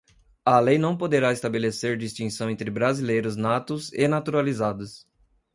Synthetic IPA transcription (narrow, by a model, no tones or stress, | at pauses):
ɐlejnɐ̃w̃pod̪eɾaest̪abeleseɾd͡ʒist͡ʃĩsɐ̃w̃ẽnt̪ɾɪbɾazilejɾʊznat̪ʊzenat̪uɾalizad̪ʊs